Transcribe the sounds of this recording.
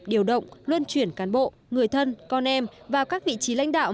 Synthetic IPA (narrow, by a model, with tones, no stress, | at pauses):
ɗi˨˩əwɗə̰˧˨wŋ͡mlwə˧nt͡ɕwi˧˩ənkaː˨˦nɓo̰˧˨ | ŋɨ˨˩əjt̪ʰə˧nkɔ˧nʔɛ˧mvaː˨˩wkaː˦˥k̚vḭ˧˨t͡ɕi˨˦la̰˧˥jŋ̟ɗa̰ː˧˨w